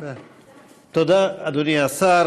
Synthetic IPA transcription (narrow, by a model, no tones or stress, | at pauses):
t̪od̪aad̪oniasaɾ